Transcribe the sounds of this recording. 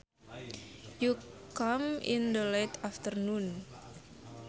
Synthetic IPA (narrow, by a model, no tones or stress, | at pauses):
jukamḭnd̪əlat̪aft̪ərnun